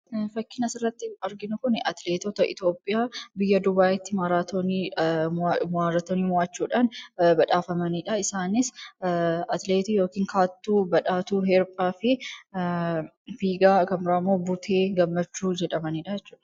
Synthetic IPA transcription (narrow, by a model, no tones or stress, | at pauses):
fɐkːɪnɐsɪrːɐt̪ːɪɐɾɡɪnʊkʊnɛʔɐt̪leːt̪ɔt̪ɐʔɪ̰t̪jo̞ːpʼːɪjaːbɪjːɐd̪ʊbaːʔɪt̪ːɪmaɾaːt̪oni | maːɾɐt̪ːoniːmʊaːt͡ʃːuːᶑaːnbɐᶑaːfɐmɐniᶑɐɪsaːnɪs | ɐt̪leːt̪ijoːkiːŋkʰaːt̪ːuːbɐᶑaːt̪uːɦɛɾpʼaːfɪ | fiːɡaːkɐmɾaːmːoːbʊt̪ʰeːɡɐmːɐt͡ʃːuːd͡ʒɛᶑɐmɐniːᶑɐd͡ʒɛt͡ʃːu̥ːᶑɐ̥